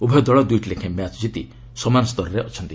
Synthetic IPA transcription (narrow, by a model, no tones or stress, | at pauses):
ubʱɔjd̪ɔɭɔd̪ujʈlekʰemjat͡ʃd͡ʒit̪i | sɔmanɔst̪ɔɾɔɾeʔɔt͡ʃʰɔnt̪i